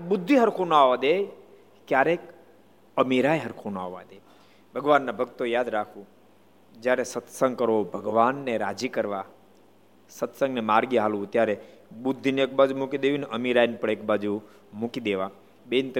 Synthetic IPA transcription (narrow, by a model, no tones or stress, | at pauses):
bʊd̪ʱːiɦəɾkʰonaʋad̪e | kjaɾek | əmiɾajɦəɾkʰona̰ʋa̰d̪e | bʱəɡʋanːabʱəkt̪ojad̪ɾakʰũ | d͡ʒjaɾesət̪sə̃ŋɡkəɾobʱəɡʋanːeɾad͡ʒikəɾʋa | sət̪sə̃ŋɡnemaɾɡiɦalʋũt̪jaɾebʊd̪ʱːinek̚bad͡ʒumukid̪eʋineʔəmiɾajnpəɳek̚bad͡ʒu | mukid̪eʋa | bent̪